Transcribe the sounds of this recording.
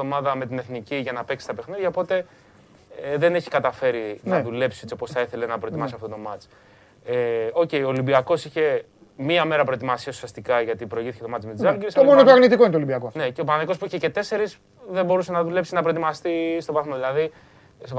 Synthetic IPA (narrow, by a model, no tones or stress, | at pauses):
omɐðɐme̞t̪ine̞θniciʝɐnɐpe̞ksi̥st̪ɐpe̞xniðʝɐopo̞t̪e̞ | ðene̞çi̥kɐt̪ɐfe̞ɾinɐðule̞psiet͡sipo̞sθɐiθe̞le̞nɐpɾo̞et̪imɐssiɐft̪o̞t̪o̞mɐt͡ʃ | eo̞ce̞io̞ːlimbiɐko̞siçe̞ | miɐme̞ɾɐpɾo̞et̪imɐsiɐsu̥siɐst̪ikɐʝɐt̪ipɾo̞iʝiθi̥ce̞t̪ɐt͡smezɐlɡeɾisomonot̪oɐɣnit̪iko̞inet̪olibiɐkoneceopɐnɐðiko̞spuiçecet̪e̞se̞ɾis | ðembo̞ɾuse̞nɐðule̞psinɐpɾoe̞t̪imɐst̪ist̪o̞vɐθmoðilɐði | s